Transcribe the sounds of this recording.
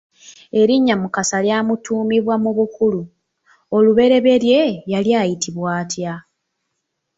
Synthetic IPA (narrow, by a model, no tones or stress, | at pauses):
e̞ɾiɲːamukasaljaːmutuːmiβwamuβukulu | o̞luβe̞ɾe̞βe̞ɾje̞jaljaːjitiβwaːtja